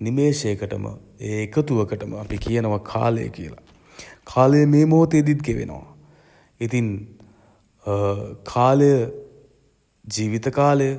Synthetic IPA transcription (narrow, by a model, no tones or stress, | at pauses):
nimeːʃeəkəʈə̰mə̰ | eːkət̪uʋəkəʈəməapikijənəʋakʰa̰ːlə̰jə̰kijə̰la | kʰaːləjəmeːmoːt̪ed̪id̪̚ɡeʋḛno̰ʋa̰ | it̪in | kʰaːləjə | d͡ʒiːʋit̪əkaːləjə